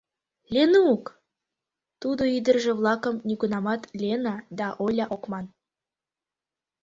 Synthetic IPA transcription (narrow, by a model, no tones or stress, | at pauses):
lʲenuuk | t̪ud̪oid̪ə̆rʒĕβlˠɑkə̆mnʲiɡunɑmɑt̪lʲenɑd̪ɑʔolʲɑʔokmɑn